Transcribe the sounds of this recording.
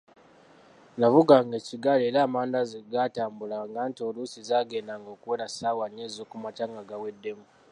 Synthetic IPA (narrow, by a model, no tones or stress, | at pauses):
navuɡaŋɡe̞ciɡaleːɾaːmaːndazɡataːmbulaŋɡantio̞lusizaːɡe̞ːndaŋɡo̞ːkuwe̞ːɾasaːwaɲezokumataːŋɡaɡawe̞dːe̞mu